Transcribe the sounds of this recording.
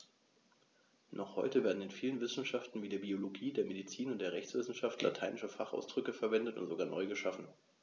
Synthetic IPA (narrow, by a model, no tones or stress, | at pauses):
nʔɔχhɔʏtəveːɐdn̩ɪnfiːlənvɪsn̩ʃaftn̩viːdeːɐbioloɡiːdeːɐmedit͡siːnʊntd̥eːɐʁɛçt͡sv̥ɪsn̩ʃaftʰlʔa̰tʰaɪnɪʃəfaχʔa̰ʊsd̥ʁʏkəfɛɐvɛndətʊ̰ntz̥oɡaːɐnʔɔʏɡəʃafn̩